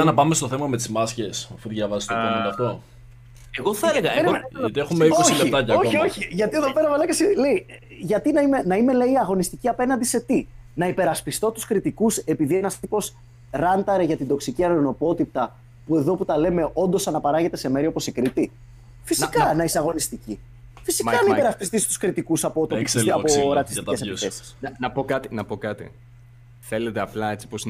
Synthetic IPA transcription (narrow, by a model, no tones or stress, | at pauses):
ɐnɐpɐme̞st̪o̞θe̞mɐme̞t̪izmɐsce̞sɐfuʝɐvɐzest̪eɐɐft̪o̞ | eɣoθɐeleɣɐɾɐt̪iexummeikoosleit̪ɐcɐoçio̞çiʝɐt̪ie̞ðope̞ɾɐvɐlɐkɐsile̞i | ʝɐt̪inɐimenɐime̞leiɐɣo̞nist̪iciɐpe̞nɐnd̪ise̞t̪inɐipe̞ɾɐspist̪o̞t̪u̥skɾit̪ikuse̞piðie̞nɐst̪ipo̞s | ɾɐnt̪ɐɾeʝɐt̪ind̪o̞ksiciɐɾono̞po̞t̪ip̚t̪ɐ | pue̞ðo̞put̪ɐle̞me̞ʔo̞nd̪o̞sɐnɐpɐɾɐɣʝe̞t̪e̞se̞me̞ɾio̞po̞sikɾit̪i | fisikɐnɐiseɐɣo̞nist̪ici | fisikɐnɐipe̞ɾɐspist̪ist̪u̥skɾit̪ikusɐpot̪opisɐpoɾɐt̪isie̞seisθe̞si̥snɐpokɐt̪inɐpokɐt̪ḭ | θe̞le̞t̪eɐplɐet͡si̥pos